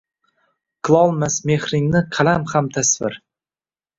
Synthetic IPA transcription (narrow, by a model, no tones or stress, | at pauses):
qʰɨlˠɒlˠmasme̞hɾɪŋnɪqʰɑlamhamt̪ʰasvɪ̰ɾ